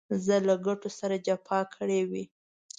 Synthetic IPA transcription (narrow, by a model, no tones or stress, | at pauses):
zəlaɡaʈosaɾad͡ʒapʰɑkʰəɽewi